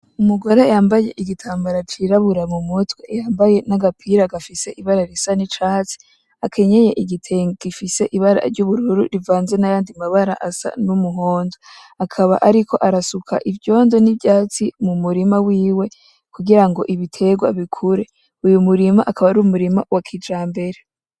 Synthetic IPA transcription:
umuɡo̞ɾejaːmbaje̞ʔiɡitʰaːmbaɾat͡ʃiɾaβuɾamumutwejaːmbaje̞naɡapʰiɾaɡafise̞ʔiβaɾaɾisanit͡ʃaːt͡si̥ | akʰe̞ɲe̞je̞ʔiɡitʰeŋɡɡifise̞ʔiβaɾa̰ɾɟuβuɾuɾuɾivaːnze̞najaːndimaβaɾa̰ʔasa̰numuɦo̞ːndo | akʰaβa̰ʔaɾikʰo̞ʔaɾasukʰa̰ʔivjo̞ːndo̞nibɟaːt͡simumuɾimawiːwe̞ | kʰuɡiɾaŋɡo̞̰ʔiβitʰe̞ɡwa̰βikʰuɾe̞ | ujumuɾimaʔakʰaβaɾumuɾimawakʰid͡ʒaːmbe̞ɾe

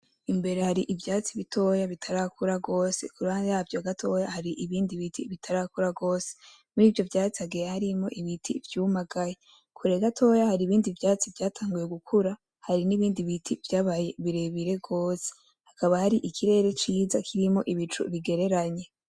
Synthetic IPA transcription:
imbe̞ɾe̞haɾiʔivjaːt͡siβitʰo̞jaβitʰaɾakʰuɾaɡo̞ːse̞̰kuɾanzjavjoaɡatʰo̞jahaɾiʔiβiːndiβitʰḭβitʰaɾakuɾaɡo̞ːse̥ | muɾiːvjo̞vjaːt͡siaɡejehaɾimo̞ʔiβitʰivjuːmaɡaje | kʰuɾeɡatʰo̞jahaɾiːβiːndivjaːt͡sivjaːtʰaːŋɡuje̞ɡukʰuɾa | haɾiniβiːndiβitʰivjaːβaje̞βiɾeβiɾe̞ɡo̞ːse̥ | hakaβahaɾiʔikʰiɾe̞ːɾe̞t͡ʃiːzakʰiɾimo̞̰ʔiβit͡ʃṵβiɡe̞ɾe̞ɾaɲe̞

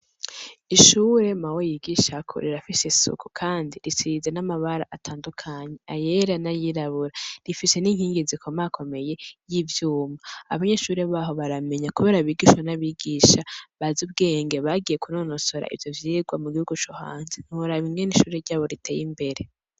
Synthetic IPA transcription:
iʃuːɾe̞mawojiɡiʃakʰo̰ɾiɾafisesṵkukʰaːndiɾisizenamaβaɾa̰ʔatʰaːndukʰaɲe̞aje̞ɾanajiɾaβuɾaɾifise̞niŋ̥hiːŋɡizikʰomakʰo̞me̞je̞jivjuːmaaβaɲe̞ːʃuːɾe̞βaːɦo̞βaɾame̞ɲakuβe̞ːɾaβiɡiʃwanaβiɡiʃaβazub̚ɡe̞ːŋɡeβaɡije̞kunonoso̞ɾa̰ʔḭvjo̞vjiːɡwamuɡihuɡut͡ʃoha̰ːnzen̥uɾaβimŋe̞niʃuːɾe̞ɾɟaːβo̞ɾitʰe̞ːjimbe̞ɾe

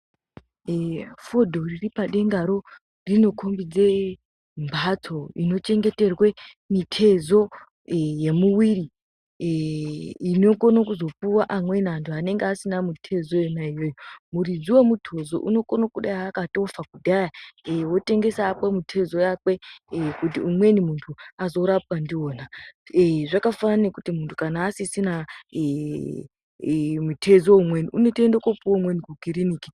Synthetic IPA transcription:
fodʱo̞riripaɗe̞ŋɡaɾo̞ | rino̞kʰombid͡ze̞ | mbʱat͡sʰo̞ino̞t͡ʃe̞ŋɡe̞te̞rwe̞ | mitʰe̞zo̞ | je̞muwiri | ino̞konokuzo̞puwaʔamwe̞nantʰuane̞ŋɡeasinamutʰe̞zo̞jenaijojomurid͡ziwomutʰozo̞̰ʔṵno̞konokuɗajakato̞fakudʱajaewo̞te̞ŋɡe̞saːpwamutʰe̞zo̞jakwe̞kutiumwe̞nimuntʰuazo̞ɾap̚wandio̞ːnaeʐakafananekutimuntʰu̥kanaːsisina | mutʰe̞zoumweniunotendokopuwomwenikukiɾiniːki̥

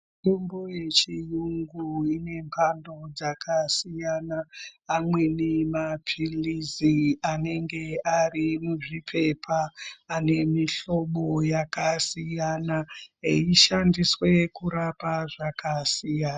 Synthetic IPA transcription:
tombo̞je̞t͡ʃijuŋɡuine̞mpʰando̞d͡zakʰasijanaːmwe̞nemapʰiliziane̞ŋɡe̞arimuʐipʰe̞pʰaːne̞miɬo̞ɓo̞jakasijanaiʃandiswe̞kuɾapaʐakʰasijaːna

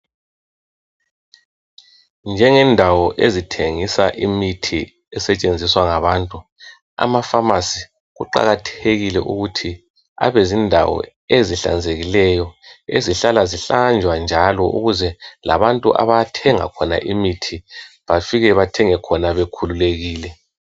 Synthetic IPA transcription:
nd͡ʒʱɛŋɛndʱawɔʔezitʰeŋisaʔimitʰi | ɛsɛt͡ʃʼend͡zʱiswaŋaβaːntʼu | a̰mafamasi | ɣuǃa̰ɣatʰeɣilɛ̰ʔuɣutʰi | a̰βezindʱawɔ̰ | eziɬa̰nd͡zʱeɣilɛjɔeziɬalaziɬand͡ʒʱwand͡ʒʱalɔʔṵɣuzɛla̰βantʼuʔa̰βaatʰɛŋa̰kʰɔna̰ʔimitʰiβafiɣɛβatʰɛŋɛkʰɔnaβekʰululeɣiːlɛ

